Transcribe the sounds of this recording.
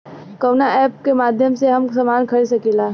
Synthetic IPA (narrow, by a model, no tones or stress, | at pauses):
kɐːnaʔɛːp̚kemaːd̪ʱjəmseɦɐmsɐmaːnkʰɐɾis̬ɐkilaː